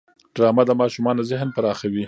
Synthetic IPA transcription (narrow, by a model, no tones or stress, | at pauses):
ɖ̥ɾɑmad̪əmɑʃumɑnazɪɦnpaɾɑxawi